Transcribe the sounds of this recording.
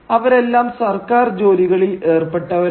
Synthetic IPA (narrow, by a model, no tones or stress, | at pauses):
ɐʋɐɾe̞lːaːmsɐrkaːrd͡ʑo̞ːliɣɐɭile̞ːrpeʈːɐʋɐ